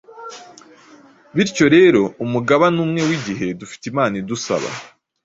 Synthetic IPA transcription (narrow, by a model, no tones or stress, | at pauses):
βiɾco̞ɾe̞ːɾo̞umuɡaβanuːmŋe̞wiɟiɦe̞dufi̥timaːnidusa̰βa̰